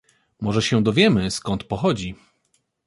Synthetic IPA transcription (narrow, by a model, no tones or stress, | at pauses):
mɔʐɛɕɛd̪ɔvʲjɛmɘskɔnt̪pɔxɔd͡ʑi